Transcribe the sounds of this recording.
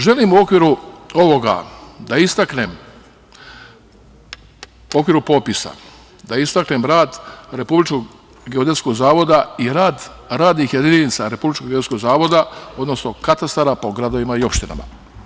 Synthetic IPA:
ʒe̞limuo̞kʋiɾuo̞ʋo̞ɡa̰d̪aist̪akne̞m | o̞kʋiːɾupo̞pisa̰ | d̪aist̪akne̞mɾaːd̪ɾe̞publit͡ʃko | ɡeod̪esko̞ɡzaːʋo̞d̪aiɾaːd̪ | ɾaːd̪nixje̞d̪ininit̪saɾe̞publit͡ʃkoɡeeskoɡzaːʋo̞d̪ao̞d̪no̞sno̞kat̪ast̪aɾapo̞ɡɾad̪o̞ʋimaio̞pʃt̪ina̰ma̰

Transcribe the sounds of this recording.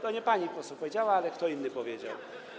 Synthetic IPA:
t̪ɔɲɛpaɲikɔsupɔvʲjed͡ʑawaalɛkt̪ɔinːɘpɔvʲjed͡ʑa̰w

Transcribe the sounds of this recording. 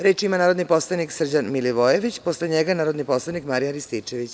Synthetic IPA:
ɾe̞ːt͡ʃiimanaːɾo̞d̪nipo̞slˠaniksr̩d͡ʑanmiliʋojeʋit͡ɕpo̞sleɲeɡanaːɾo̞d̪nipo̞slˠanikmaɾijaɾist̪it͡ʃe̞ʋit͡ɕ

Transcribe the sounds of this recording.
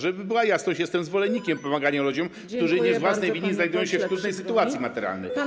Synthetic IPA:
ʐɛbɘbɘwajasnɔ̃ɕjɛst̪ɛmzvɔlɛɲʲːikʲɛmpɔmaɡaɲalud͡ʑɔm | skt̪uʐɘɲɛzvwasnɛjviɲʲːiznajd̪ujɔ̃w̃ɕɛft̪ɾud̪nɛjsɘt̪uat̪sʲjimat̪ɛɾa̰lnɛ̰j

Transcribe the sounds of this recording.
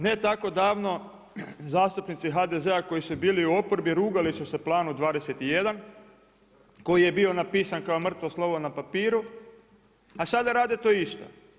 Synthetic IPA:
ne̞t̪ako̞d̪aːʋno̞ | zaːst̪upnit̪siɦad̪eze̞ako̞jisubiːliuo̞poɾbiɾuːɡalisuse̞plˠaːnud̪ʋaːd̪eset̪ije̞d̪an | ko̞jije̞bio̞napiːsankaomr̩t̪ʋoslˠo̞ʋonapapiːɾu | asad̪aɾaːd̪et̪oːist̪o̰

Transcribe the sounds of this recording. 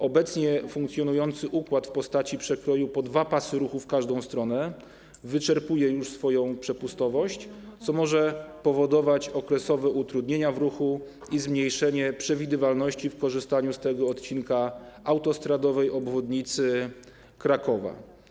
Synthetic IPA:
ɔbɛt̪sɲɛfuŋkt̪sjɔnujɔnt̪sɘʔukwat̪fpɔst̪at͡ɕipʂɛkɾɔjupɔd̪vapasɘɾuxufkaʐd̪ɔ̃w̃st̪ɾɔnɛ | vɘt͡ʂɛɾpujɛjuʂsfɔjɔ̃w̃pʂɛpust̪ɔvɔɕt͡ɕt̪sɔmɔʐɛpɔvɔd̪ɔvat͡ɕɔkɾɛsɔvɛut̪ɾud̪ɲeɲavɾuxu | izmɲejʂɛɲɛpʂɛvʲid̪ɘvalnɔɕt͡ɕifkɔʐɘst̪aɲust̪ɛɡɔɔt̪t͡ɕinkaawt̪ɔst̪ɾad̪ɔvɛjɔbvɔd̪ɲit̪sɘ | kɾakɔva̰

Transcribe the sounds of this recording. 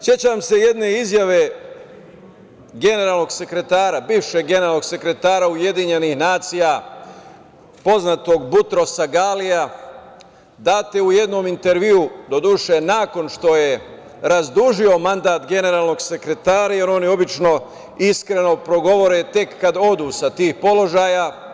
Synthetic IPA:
sje̞t͡ɕamse̞je̞d̪ne̞izjaʋe̞ | ɡe̞ne̞ɾaːlˠno̞ɡse̞kɾe̞t̪aːɾabiːʋʃe̞ɡɡːeneɾalnoɡse̞kɾe̞t̪aːɾauje̞d̪iɲe̞nihnaːt̪sija | po̞znat̪o̞ɡbut̪ɾo̞saɡaːlija | d̪aːt̪euje̞d̪no̞mint̪e̞ɾʋiud̪o̞d̪uʃenaːko̞nʃt̪o̞je̞ | ɾazd̪uʒio̞mand̪aːt̪ɡe̞ne̞ɾaːlˠno̞ɡse̞kɾe̞t̪aːɾaje̞ɾo̞nio̞bit͡ʃno̞ | iskɾe̞no̞pɾo̞ɡo̞ʋo̞ɾet̪e̞kːad̪o̞d̪uːsat̪iːxpo̞lo̞ʒaːja

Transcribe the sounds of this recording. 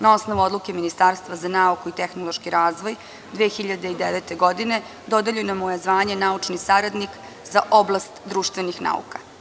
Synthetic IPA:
nao̞sno̞ʋuod̪luke̞minist̪aɾst̪ʋazanaukuit̪exnolˠo̞ʃkiɾaːzʋo̞j | d̪ʋeːxiʎad̪eid̪eʋet̪eɡo̞d̪ine̞ | d̪o̞d̪eʎunamojezʋaːɲe̞naut͡ʂnisaɾad̪nik | zaʔo̞blˠast̪d̪ɾuːʃt̪ʋenixna̰ṵkḁ

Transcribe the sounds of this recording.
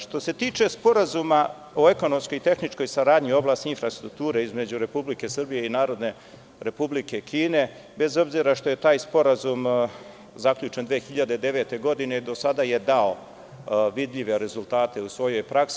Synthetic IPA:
ʃt̪o̞se̞t̪iːt͡ʃe̞spo̞ɾazuma | o̞e̞ko̞no̞mskojit̪e̞xnit͡ʃko̞jsaɾaːd̪ɲio̞blaːst̪iinfɾast̪ɾuk̚t̪uːɾeizme̞d͡ʑuɾe̞publike̞srbije̞inaːɾo̞d̪ne̞ | ɾe̞publike̞kʰiːne̞ | be̞zo̞bziɾaʃt̪o̞je̞t̪aːjspo̞ɾazum | zakʎut͡ʃend̪ʋeːxiʎad̪e̞d̪e̞ʋet̪e̞ɡo̞d̪ined̪o̞sad̪aje̞d̪ao | ʋid̪ʎiʋe̞ɾe̞zulˠt̪aːt̪e̞usʋo̞jo̞jpɾaks

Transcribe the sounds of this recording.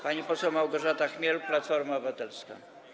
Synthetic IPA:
paɲipɔsɛwmawɡɔʐat̪axmʲjɛlplat̪fɔɾmaɔvat̪ɛlska̰

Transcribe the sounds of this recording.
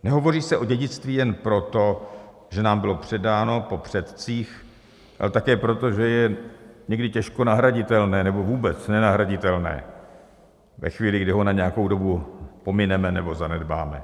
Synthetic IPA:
nɛɦo̞vo̞riːsɛʔoɟɛɟɪt͡st̪viːjɛnpɾo̞t̪o̞ | ʒ̥ɛnaːmbɪlo̞pr̝̥ɛdaːno̞po̞pr̝̥ɛt̪t͡siːx | ʔa̰lɛt̪akɛːpɾo̞t̪o̞ʒɛjɛɲɛɡdɪcɛʃko̞naɦɾaɟɪt̪ɛlnɛːnɛbo̞vuːbɛt͡snɛnaɦɾaɟɪt̪ɛlnɛ̰ː | vɛ̰xviːlɪɡdɪɦo̞naɲɛjako̞wdo̞bupo̞mɪnɛmɛnɛbo̞zanɛdbaːmɛ

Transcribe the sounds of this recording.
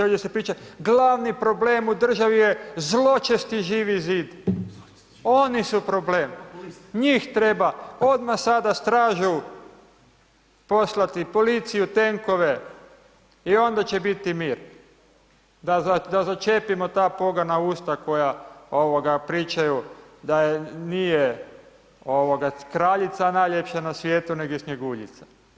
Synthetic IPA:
et͡ʃesepɾiːt͡ʃat̪ɡlaʋnipɾo̞bleːmud̪r̩ʒaʋijezlˠo̞t͡ʃest̪iʒiːʋiziːd̪ | o̞nisupɾo̞ble̞ːmɲiːxt̪ɾe̞bao̞d̪masad̪ast̪ɾaːʒu | po̞slat̪ipo̞lit̪sijut̪e̞ŋko̞ʋe̞ | io̞nd̪at͡ɕebit̪imiːɾ | d̪azad̪azat͡ʃe̞pimo̞t̪aːpo̞ɡanauːst̪ako̞jaoʋoɡapɾiːt͡ʃajud̪ajenije | oʋoɡakɾaʎit̪sanajʎepʃanasʋjeːt̪une̞ɡoisɲeɡuʎḭt̪sḁ

